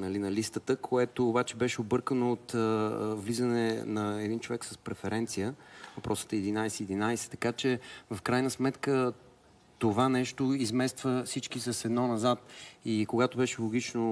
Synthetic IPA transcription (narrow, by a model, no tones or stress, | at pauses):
nɐlinɐlist̪ət̪əkʰoɛt̪oːbat͡ʃɛbɛʃɛobɤɾkənoːt̪əvlizənɛnɐɛd̪int͡ʃovɛksəspɾɛfɛɾɛnt̪sijəvɐpɾʔɔsə̥t̪ɛɛd̪inajsɛːd̪inajsɛ̥t̪ɐkat͡ʃɛvɐfkɾajnəsmɛt̪kə | t̪ovanɛʃt̪oizmɛst̪vəfsit͡ʃkisɐsɛd̪nɔnɐzat̪ikoɡat̪obɛʃɛlˠoɡ̟it͡ʃno